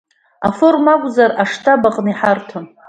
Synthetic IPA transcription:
aformakʷʼzaraʂtʰabaqʼniħartʰon

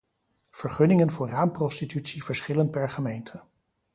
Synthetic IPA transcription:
v̥əɹχɵnɪŋənvʊːɹraːmprɔstitytsiv̥əɹsχɪlən̚pɛɹχəmejntʰə

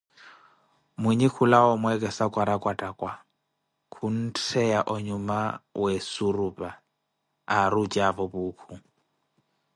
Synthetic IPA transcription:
miɲikʰulaɔmwɛkʼɛsakʼwaɾakʼwatʼakʼwa | kʰun̩tʰɛaʔɔɲumawɛsurupʼa | arud͡ʒʼavɔbuːkʰu

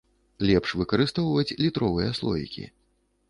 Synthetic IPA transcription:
lʲɛpʂvɨkɐɾɨst̪ɔwvɐt͡sʲlʲit̪ɾɔvɨjɐslˠɔ̰jḭkʲḭ

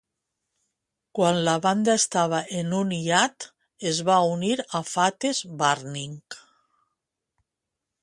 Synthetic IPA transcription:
kwanlaβand̪aest̪aβ̞aʔenuniat̪ | ezβauniɾafat̪ezbaɾniŋk

